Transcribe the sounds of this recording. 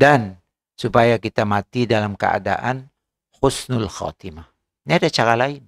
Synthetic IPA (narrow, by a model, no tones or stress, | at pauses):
dan | supajakit̪amat̪idalamkə̰a̰da̰ʔan | hʊsnʊlxa̰t̪ima | niadat͡ʃaɾalain